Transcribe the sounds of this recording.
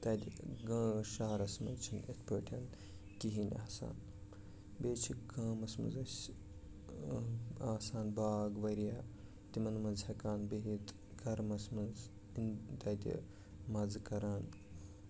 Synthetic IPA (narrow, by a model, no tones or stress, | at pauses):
t̪ɐːd̪ʲiɡɐ̃ːʃaːɾɐsmɐ̰nt͡ʃʰinet̪ʰpəʈʰɐn | kiɦinʲa̰ːsa̰ːn | beːt͡ʃʰikaːmɐsmɐ̰nzɐsʲ | aːsaːnbaːɡʋɐɾjaː | t̪imɐnmɐnzhɐkaːnbeɦit̪ | ɡɐɾmɐsmɐnz | int̪ɐd̪ʲḭ | mɐzkɐɾaːn